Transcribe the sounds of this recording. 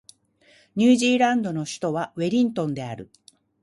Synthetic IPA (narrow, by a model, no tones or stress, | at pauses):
ɲ̟ɨːʑiːɾãnd̪o̞no̞ɕi̥t̪o̞βaβe̞ɾʲĩnt̪õ̞nd̪e̞aɾɯ̟̰